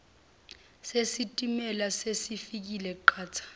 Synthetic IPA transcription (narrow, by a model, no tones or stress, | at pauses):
sesitʼimɛlasesifik̬ilɛǃʰaːtʰḁ